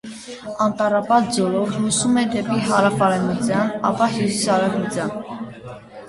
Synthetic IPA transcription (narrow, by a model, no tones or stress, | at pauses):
ɑnt̪ɑɾɑpɑt̪ʰd͡zɔlɔvlusumɛd̪ɛpiɦɑɾɑfɑɾɛmut͡sʰjɑnɑ̰pɑɦjusisɑɾɛkut͡sʰjɑn